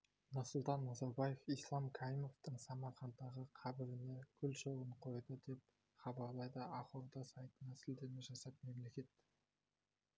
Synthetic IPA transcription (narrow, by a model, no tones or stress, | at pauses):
nʊɾsʊlˠt̪ɑnːɑzɑɾbɑjefijslˠɑmkʰɑɾimo̞ft̪əɴsɑmɑχɑnd̪ɑʁəqʰɑbɪɾɪnekʲʰʏlʃo̞lˠəɴqʰo̞jd̪əd̪e̞p̚ | χɑbɑɾlˠɑjd̪əɑqoɾd̪ɑsɑjt̪ənɑsɪld̪eɾmeʒɑsɑt̪̚me̞mle̞kʲe̞t̪